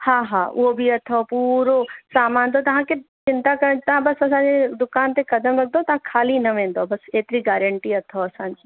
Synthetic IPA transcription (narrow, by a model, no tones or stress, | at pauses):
haːɦaːʊ̰obʱiɐt̪ʰopuːɾosaːmãːnd̪ot̪ɐɦãket͡ʃɪ̃nt̪akɐɾət̪ɐɦãbɐsɐsãːɲd͡ʑed̪ʊkaːnt̪ekɐd̪əmɾɐɡ̚d̪ot̪ɐɦãkʰaːlinɐʋẽːnd̪obɐseːt̪ɾiɡɛːɾə̃ɳʈiɐt̪ʰoɐsãːɲd͡ʑiː